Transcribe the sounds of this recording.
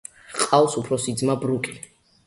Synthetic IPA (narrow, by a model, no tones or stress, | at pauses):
qʼawsupʰɾɔsid̪zmabɾukʼi